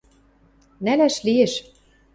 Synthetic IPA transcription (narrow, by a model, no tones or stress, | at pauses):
nælæʃlieʃ